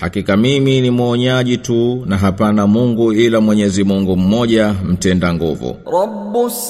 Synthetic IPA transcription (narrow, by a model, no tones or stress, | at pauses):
hakikamiminimwɔɲaʄitunaɦapanamuŋɡuilamwɛɲɛzimuŋɡum̩mɔʄam̩tɛndaŋɡuvṵɾɔ | bus